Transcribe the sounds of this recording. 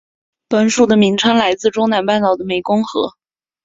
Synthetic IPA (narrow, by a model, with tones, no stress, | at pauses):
pə˧˥nʂu˥˩d̪ə˩mi˧˥ŋʈ͡ʂʰɤ˥ŋla˧˥ɪt͡sɹ̩˥˩ʈ͡ʂʊ˥ŋna˧˥npa˥˩˧nt̪ɑ˥˩ʊd̪ə˦˩me˧˩ɪkʊ˥ŋxɤ̰˧˥